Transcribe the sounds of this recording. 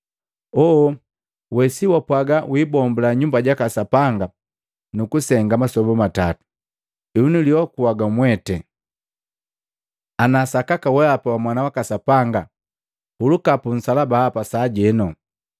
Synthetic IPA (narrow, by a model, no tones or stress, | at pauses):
ɔ | wɛsiwapwaɡawiːbɔmbulaɲumbaɟakasapaŋɡa | nukusɛŋɡamasɔbɔmatatu̥ | iunuliwakuwaɡamwɛtɛ | anasakakawɛapawamwanawakasapaŋɡa | ulukapun̩salabaːpasaːɟɛnɔ